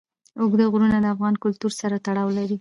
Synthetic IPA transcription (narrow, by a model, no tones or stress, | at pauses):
ʊɡd̪əɣɾunad̪əafɣɑnkʊlt̪uɾsaɾat̪aɽɑwlaɾi